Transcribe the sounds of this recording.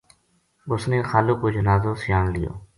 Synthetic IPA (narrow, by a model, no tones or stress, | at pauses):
ɓʊsnẽːxaːloːkoːd͡ʒənaːzoːsɪjaːɳlɪjo̰ː